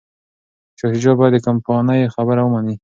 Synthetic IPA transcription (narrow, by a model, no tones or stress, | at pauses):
ʃɑsid͡ʒɑbɑjad̪əkampɑnajxabəɾawəmani